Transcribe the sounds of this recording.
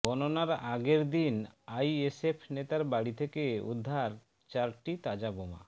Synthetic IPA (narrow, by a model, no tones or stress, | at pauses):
ɡɔnonaɾaɡeɾd̪inajesepʰnet̪aɾbaɽit̪ʰekeṵd̪ʱːaɾ | t͡ɕaɾʈit̪ad͡ʑaboma̰